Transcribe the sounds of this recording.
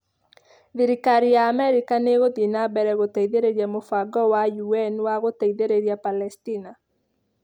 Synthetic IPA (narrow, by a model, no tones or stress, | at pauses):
ðiɾikaɾijaːmɛɾikaneɣodinabɛɾɛɣot̪aiðeɾeɾjamofaɡɔwajuɛnwaɣot̪aiðeɾeɾjapalɛstina